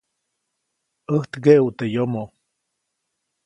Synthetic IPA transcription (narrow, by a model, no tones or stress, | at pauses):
əht̪ɡeʔwt̪ejomo